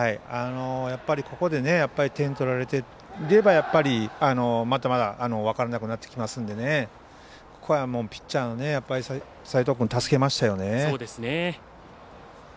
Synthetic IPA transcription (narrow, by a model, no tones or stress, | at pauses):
haiano̞japːaɾʲikʰo̞ko̞d̪e̞ne̞japːaɾʲit̪ẽ̞nt̪o̞ɾaɾe̞t̪e̞ | iɾe̞bajapːaɾʲiano̞mat̪amad̪aʔːno̞βakaɾanakɯnat̪ːe̞̥kʲimasɨ̃nd̪e̞ne̞ | kkʰojamo̞ːpʲi̥t͡ɕt͡ɕaːnone̞japːaɾʲisa | sait̪okɯ̟nt̪asɨ̥ke̞maɕi̥t̪ajo̞ne̞oːd̪esɨne